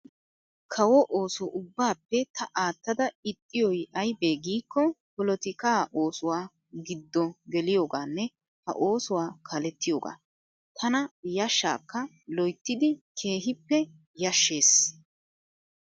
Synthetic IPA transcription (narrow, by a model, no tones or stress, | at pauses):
kʰɐwɔʔoːsɔʔʊbːaːpːɛt̪ʰɐʔaːt̪ːɐd̪ɐɪt̪ʼːɪjɔjʔɐjbeːɡiːkːɔpɔlɔt̪ɪkaːʔoːsʊwaː | ɡɪd̪ːɔɡɛlɪjo̞ːɡaːnːɛ | hɐ̰ʔoːsʊwaːkʰɐlɛt̪ːɪjo̞ːɡa̰ː | t̪ʰɐnɐjɐʃːa̰ːkːɐ | lɔjt̪ːɪd̪ɪkʰe̞ːɦɪpːɛ | jɐʃːe̞ːs